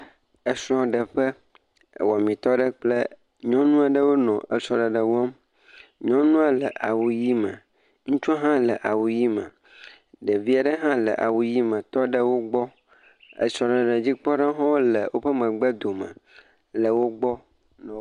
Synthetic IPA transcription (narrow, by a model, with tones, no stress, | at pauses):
ə˨sɾ̃ɔ̃˨ɖə˨ɸə̰˦˨ | wɔ˨mĩ˨t̪ɔ˦ɖə˦k͡plə˦ | ɲɔ̃˦nũ˦a˨ɖə˦wo˦nɔ̰̃˨ə˨sɔ˨ɖə˨ɖə˨wɔ˦m | ɲɔ̃˦nũ˦a˨lə˨ʔa˨wu˨ji˦mə̰̃˨ | ŋũ˦t͡ʃu˦ɦã˦lə˨ʔa˨wu˨ji˦mə̰̃˨ | ɖə˨vi˦a˨ɖə˦ɦã˦lə̰˨ʔa̰˨wu˨ji˦mə̃˨t̪ɔ˦ɖə˦wo˦ɡ͡bɔ˦ | ə̰˨sɔ˨ɖə˨ɖə˨d͡ʑi˦k͡pɔ˦ɖa˦ɦɔ̃˦wo˦lə˨wʔo˦ɸə˦mə̃˨ɡ͡bə˦d̪o˨mə̰̃˨ | lə˨wo˦ɡ͡bɔ˦ | nɔ̃˨